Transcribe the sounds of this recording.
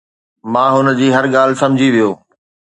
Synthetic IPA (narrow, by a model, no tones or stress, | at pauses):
mãːɦʊnəd͡ʑiːɦɐɾɠaːlɪsɐ̃md͡ʑʱiʋijoː